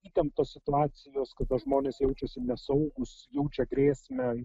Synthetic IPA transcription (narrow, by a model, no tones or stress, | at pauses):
iːt̪ʲɛmt̪oːssʲɪt̪ʊɑːt͡ssʲɪjoːskɐt̪ɐʒmoːnʲeːsjɛʊt͡ʃʲɛsʲɪnʲɛsɐʊɡʊsjɛʊt͡ʃʲɛɡɾʲeːsʲmʲɛ